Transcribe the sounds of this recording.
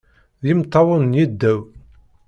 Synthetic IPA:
ðimt̪ˤːɑwənjid̪ːæw

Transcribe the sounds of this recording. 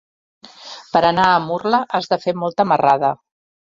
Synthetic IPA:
pəɾənaəmurləʔazðəfemɔlˠt̪əməraðə

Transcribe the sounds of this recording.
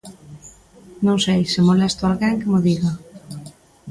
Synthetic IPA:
nõŋsejsɪmolɛst̪ʊalɣɛŋkɪmʊðiɣa

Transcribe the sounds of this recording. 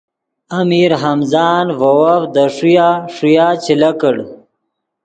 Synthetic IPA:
amiɾɦɐmzaːnvɐwafd̪əʂujaʂujaːt͡ɕilakəɽ

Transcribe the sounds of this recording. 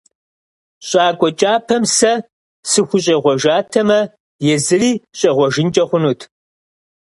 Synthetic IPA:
ɕʼaːkʷʼɔt͡ʃʼaːpʰɐmsɐ | sɨxʷʊɕ̬ʼɐʁʷɔʒaːtʰɐmɐ | jɛzɨriːɕʼɐʁʷɔʒɪnt͡ʃʼɐχʷʊnuːtʰ

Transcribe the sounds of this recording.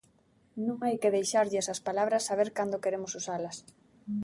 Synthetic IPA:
nũŋajkeðejʃaɾʎɛsɐspalaβɾɐsːaβeɾkand̪okeɾemʊsusalɐs

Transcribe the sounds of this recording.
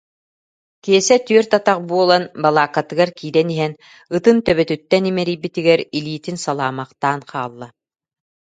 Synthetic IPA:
kiɛsɛt̪yœɾt̪at̪aqbuɔlˠanbalˠaːkːat̪ɯɡaɾkiːɾɛniɦɛn | ɯt̪ɯnt̪œβœt̪yt̪ːɛnimɛɾijbit̪iɡɛɾiliːt̪insalˠaːmaqt̪aːnqʰaːlˠːa

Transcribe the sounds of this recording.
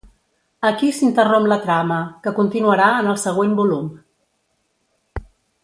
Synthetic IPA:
əkisint̪əromplət̪ɾaməkəkunt̪inuəɾaənəlˠsəɣ̞wembulum

